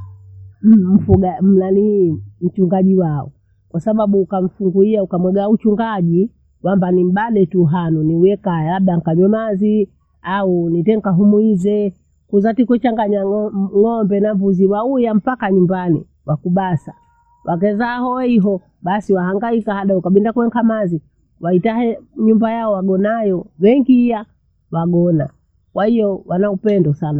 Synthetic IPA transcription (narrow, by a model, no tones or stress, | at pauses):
m̩m̩fuɡam̩lanim̩t͡ʃuŋɡaʄiwaɔ̰ | kwasaɓaɓuːkam̩fuŋɡuiaukamwɛɡaut͡ʃuŋɡaʄi | wambanim̩ɓaɗɛtuɦanuniwɛkajɛlaɓɗaŋ̩kaɲɔmazi | aunitɛŋkaɦumwizɛ | kuzatikut͡ʃaŋɡaɲaŋɔmbɛnavuziwaujam̩pakaɲumbanḭ | wakuɓasa | wʔakɛzahɔɛiɦɔ | ɓasiwaɦaŋɡaikahaɗaukaɓindakuwɛŋkamazi | waitaɦɛɲumbajaɔwaɡɔnajɔwɛŋɡiija | waɡɔna̰ | kwahijɔwanaupɛndɔsana